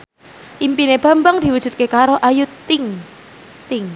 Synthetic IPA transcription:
ʔimpineb̥a̤mbəŋd̪̥i̤wu̥ʒ̥ṳt̪̚kekaɾoʔajut̪ːɪŋ | t̪ɪŋ

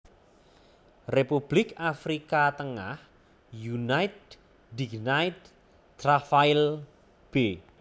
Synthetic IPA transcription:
repub̥lɪkafɾikat̪əŋa̰h | junajt̪̚ | diɡnajt̪̚ː | rafail | b̥e

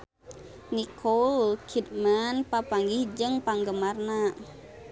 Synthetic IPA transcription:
nikʰɔlkʰit̪̚manpapaŋɡihd͡ʒəŋpaŋɡəmarna

